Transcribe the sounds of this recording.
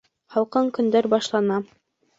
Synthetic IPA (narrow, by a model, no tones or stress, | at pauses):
χɑlˠqɤɴkɵ̆nd̪æɾbɑʃlˠɑnɑ